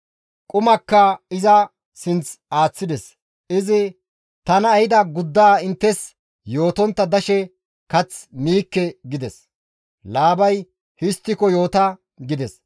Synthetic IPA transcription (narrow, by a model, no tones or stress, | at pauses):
kʼʊmɐkːɐɪzɐ | sɪnt͡saːt͡sːɪd̪ɛs | ɪzɪ | t̪ɐnɐːjɪd̪ɐɡʊd̪ːaːɪnt̪ːɛs | jo̞ːt̪ɔnt̪ːɐd̪ɐʃɛ | kɐt͡sniːkːɛɡɪd̪ɛs | laːbɐj | hɪst̪ːɪkɔjo̞ːt̪ɐ | ɡɪd̪ɛs